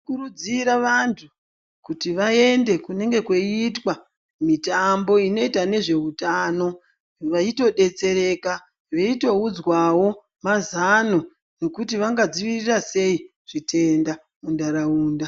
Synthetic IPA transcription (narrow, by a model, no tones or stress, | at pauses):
kuɾud͡ziɾaʋantʰu | kutiʋae̞nde̞kune̞ŋɡe̞kweitwa | mitambo̞ino̞itane̞ʐe̞utano̞ | ʋaito̞ɗe̞t͡se̞ɾe̞ka | ʋeito̞ud͡zwawo̞ | mazano̞ | no̞kutiʋaŋɡad͡ziʋirirase̞i | ʐ̥itʰe̞nda | mundaɾauːnda